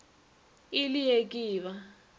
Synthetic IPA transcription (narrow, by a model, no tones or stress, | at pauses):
ilijekʼiːβa